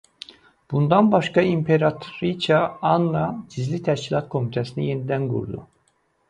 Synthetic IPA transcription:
b̥und̪ɑnbɑʃkɑimpʰeɾɑt̪ʰoɾit͡ʃʰɑɑnːɑd͡ʒizlit̪ʰæʃcilˠɑt̪kʰo̞mit̪ʰæsinije̞nid̪ænɡṵɾd̪ṵ

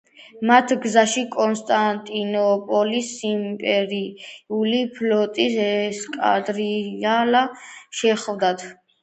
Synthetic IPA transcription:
mat̪ʰɡzaʃikʼɔnst̪ʼant̪ʼinɔpʼɔlisimpʼɛɾiulipʰlɔt̪ʼisɛskʼa̰d̪ɾialaʃɛχvd̪at̪ʰ

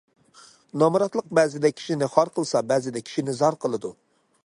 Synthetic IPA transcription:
nɑmuɾɑt̪lˠəq̚bɛzɪd̪ɛkʲʰi̥ʃinɪχɑɾqʰəlˠsɑbɛzɪd̪ɛkʲʰi̥ʃinɪzɑɾqəlˠɨd̪u

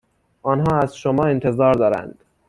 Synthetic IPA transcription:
ʔɒːnɦɒːæzʃomɒːent̪ʰe̞zɒːɾd̪ɒːɾæ̰nd̪̥

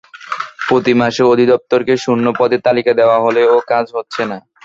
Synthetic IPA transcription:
pɾot̪imaʃeod̪ʱid̪ɔp̚t̪oɾkeʃunːopɔd̪et̪alikad̪eoaɦoleokad͡ʑɦotːɕʰena

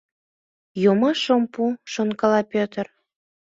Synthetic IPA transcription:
jomɑʃompuʃonkɑlɑpʲøt̪ər

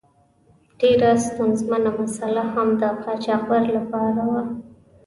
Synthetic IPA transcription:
ɖ̥eɾast̪anzmanamasalahamd̪əqɑt͡ʃɑqbaɾlapɑɾawa

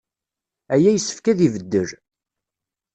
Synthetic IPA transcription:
æjæjəsːə̥fkæðivəd̪ːəɾ

